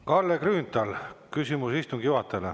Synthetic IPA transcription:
kɑlːekryːnt̪ɑlkysimusist̪uŋɡ̥ijuɑt̪ːˑele

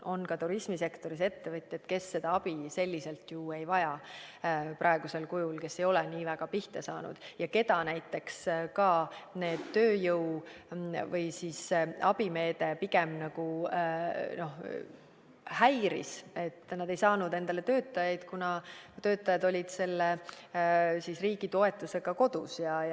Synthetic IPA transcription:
o̞nkɑt̪uɾismise̞kt̪o̞ɾise̞t̪ːe̞vɯt̪ʲːˑe̞t̪ːke̞sːe̞d̪̥ɑɑb̥ise̞lʲːise̞lt̪jue̞jvɑjɑ | pɾʔɑeɡ̥use̞lkujulke̞sːe̞jo̞lɛniːvæɡ̥ɑpiht̪esɑːnṵd̪̥jɑke̞d̪̥ɑnæjt̪ːˑe̞kskɑne̞ːd̪̥t̪øːjɤw | vɤjsiːsʔɑb̥ime̞ːd̪̥e̞piɡe̞mnɑɡ̥u | no̞h | hæjɾḭse̞t̪ːˑnɑd̪̥e̞jsɑːnud̪e̞nd̪̥ɑle̞t̪ø̞ːt̪ˑːɑjɑjd̪̥kunɑt̪ø̞ːt̪ːˑɑjɑd̪o̞lʲid̪̥se̞lːe | sisriːɡ̥it̪o̞e̞t̪ːˑuse̞ɡ̥ɑko̞d̪̥usjɑ

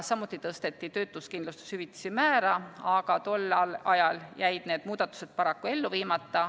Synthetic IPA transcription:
sɑmut̪ːˑit̪ɤst̪e̞t̪ːˑit̪ø̞ːt̪ːˑuskind̪lust̪e̥shyvit̪ːi̥simæːɾɑɑɡ̥ɑt̪o̞lːɑlɑjɑljæjd̪̥neːd̪̥muːd̪̥ɑt̪ːˑu̥se̞d̪̥̚pɑɾɑkːue̞lːuviːmɑt̪ːɑ

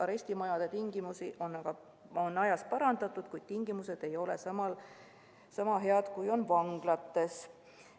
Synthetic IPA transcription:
ɑɾe̞sʲt̪imɑjɑd̪̥et̪iŋɡimusiʔo̞nːɑɡ̥ɑ | onːɑjɑspɑɾɑnd̪̥ɑt̪ːˑud̪̥kujd̪̥t̪iŋɡ̥imuse̞d̪̥e̞jo̞le̞sɑmɑl | sɑmɑɦe̞ɑd̪̥kujo̞nvɑŋɡ̥lɑt̪ːe̞s

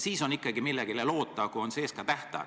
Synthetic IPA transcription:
siːso̞nikːˑɑɡimilːeɡ̥ilelo̞ːt̪ˑːɑkuo̞nse̞ːskɑt̪æht̪ɑ̰

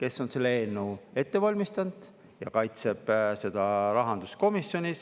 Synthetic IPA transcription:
kesːo̞nse̞lːeenːue̞t̪ːe̞vɑlʲmist̪ɑnd̪̥ | jɑkɑjt̪se̞b̥se̞d̪̥ɑɾɑɦɑnd̪usko̞misːjo̞nʲis

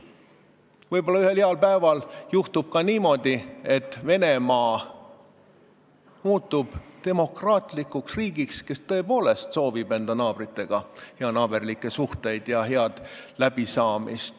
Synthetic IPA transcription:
vɤjbo̞lːɑyhe̞liɑlpæevɑljuht̪ub̥̚kɑniːmo̞d̪ie̞t̪ːˑve̞ne̞mɑː | muːt̪ːˑub̥t̪e̞mo̞krɑːt̪likːˑuksriːɡikske̞st̪ɤe̞po̞ːle̞st̪so̞ːvibe̞nd̪̥ɑnɑːb̥rit̪ːe̞ɡ̥ɑheɑnɑːb̥e̞rlikːˑe̞suht̪e̞jd̪̥jɑɦeɑd̪̥læb̥isɑːmḭst̪

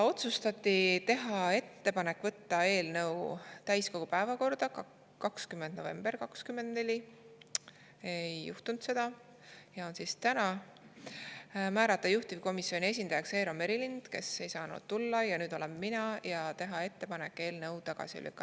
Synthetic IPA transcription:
o̞t̪sust̪ɑt̪ʲːˑit̪e̞ɦɑe̞t̪ːe̞pɑne̞kːvɤt̪ːɑe̞ːlnɤ̞wt̪æjsko̞ɡ̥upæevɑko̞rd̪̥ɑ | kɑkskymːend̪̚no̞ve̞̰mberkɑkskymːe̞nd̪ne̞lʲi | ejːuht̪unt̪se̞d̪̥ɑ | jɑo̞nsist̪ænɑ | mæːɾɑt̪ːˑɑjuht̪ivko̞misːjo̞nʲie̞sʲind̪̥ɑjɑkse̞ːɾome̞ɾilind̪̥ke̞̰se̞jsɑːnṵd̪̥̚t̪ulːɑjɑnyːd̪o̞le̞mːinɑjɑt̪e̞ɦɑe̞t̪ːe̞pɑne̞kːˑe̞ːlnɤwt̪ɑɡ̥ɑ̰sḭlʔy̰kˑːɑ

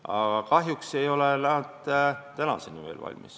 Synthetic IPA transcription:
ɑ̰ɡɑkɑɦjukse̞jo̞lenɑd̪t̪ænɑ̰senimḛlvɑ̰lʲmis

